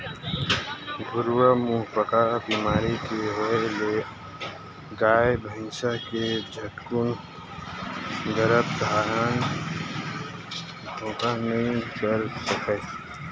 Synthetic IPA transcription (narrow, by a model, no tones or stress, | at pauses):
ɡʱʊɾuwəmuːɦpəkabiːmaːɾikeɦoele | ɡaːebʱəɪ̃nsəɦked͡ʒʱətkun | ɡəɾəb̚d̪ʱaːɾən | d̪ʱõːkanəɦĩkəɾsəkɛ